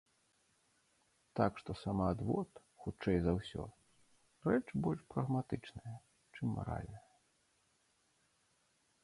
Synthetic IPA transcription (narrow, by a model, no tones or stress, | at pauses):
t̪akʂt̪ɔsamad̪vɔt̪ | xut͡ʂɛjzawsʲɔ̰ | rɛt͡ʂbɔlʲʂpɾɐɣmat̪ɨt͡ʂnɐjɐ | t͡ʂɨmːa̰ɾa̰lʲnɐjɐ